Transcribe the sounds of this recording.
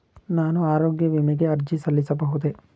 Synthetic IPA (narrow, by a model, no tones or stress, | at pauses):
naːnuaːɾoːɡjɐʋimiɡeɐɾd͡ʒisɐlːisɐbɐɦud̪e